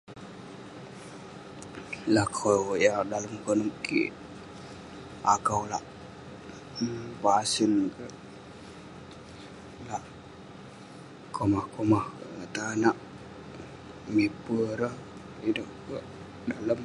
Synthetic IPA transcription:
lakojadaləmkənəkḭʔ | akəwlaʔ | pasənkəʔ | laʔ | kʰomahkomaht̪anaʔ | mepəɾəh | idəʔkəʔ | daləm

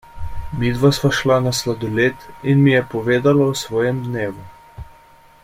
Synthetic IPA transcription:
mid̪ʋasʋaʃlanaslad̪ɔleːt̪inmijɛpɔʋeːd̪alausʋɔːjɛmd̪neːʋu

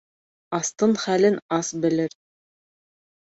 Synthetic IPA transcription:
ɑst̪ɤɴχælɘnɑsbɘ̆lɘɾ

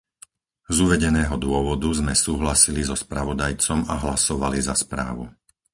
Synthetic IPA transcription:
zuʋɛɟɛnɛːɦɔd̪ʊɔʋɔd̪uzmɛsuːɦlasilizɔspɾaʋɔd̪ajt͡sɔmaɦlasɔʋalizaspɾa̰ːʋṵ

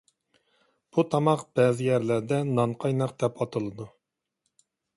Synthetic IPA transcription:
b̥ut̪ʰɑmɑqb̥ɛːzɪjɛɾlæɾd̪ɛnɑɴqʰɑjnɑq̚d̪ɛpɑt̪ʰɨlˠɨd̪u

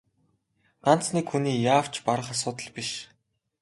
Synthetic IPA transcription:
an̥t͡sniːkxuniːjaːw̥t͡ɕpaɾə̆χas̬ʊːt̪ə̆ɮpiʃ

